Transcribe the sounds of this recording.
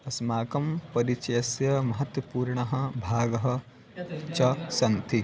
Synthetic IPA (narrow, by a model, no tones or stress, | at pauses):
ɐsmaːkɐmpɐɾit͡ʃɐjɐsjɐmɐɦɐt̪wɐpuːɾɳɐɦɐ̆bʱaːɡɐɦɐ̆ | t͡ʃɐsɐnt̪ʰi